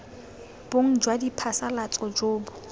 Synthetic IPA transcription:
b̥oŋ̩d͡ʒwadipʰasalat͡sʼɔd͡ʒoːbʊ

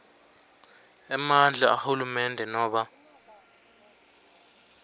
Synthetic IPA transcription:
ɛmand͡ɮʱaa̰hulumɛndʱɛnɔːɓa

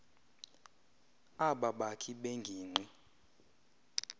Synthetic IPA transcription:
aɓaɓakʰiɓeŋɡʱiːŋ͡ǀʱi

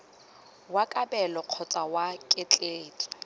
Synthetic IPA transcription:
wakʼabɛlɔq͡χʰɔt͡sʼawakʼɪt͡ɬʼeːdʼi̥

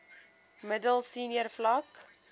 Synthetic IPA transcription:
mədəlˠsiːniərflɐk

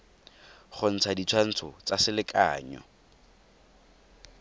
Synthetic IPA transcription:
χʊn̩t͡sʰadit͡sʰwan̩t͡sʰʊt͡sasɪlɪkʼa̰ːɲɔ̰

